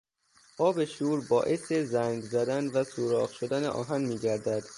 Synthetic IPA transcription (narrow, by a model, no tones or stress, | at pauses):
ʔɒːbeʃuːɾbɒːʔe̞sezæŋɡzæd̪ænvæsuːɾɒːɣʃod̪æneʔɒ̰ːɦænmiːɟæɾd̪æd̪̥